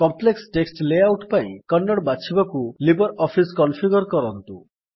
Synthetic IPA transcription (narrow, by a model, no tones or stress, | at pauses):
kɔmpleksʈeksʈlejawʈpaḭ̃kɔnːɔɽbat͡ʃʰibɔkulibɔɾɔpʰiskɔnpʰiɡɔɾkɔɾɔnt̪ṵ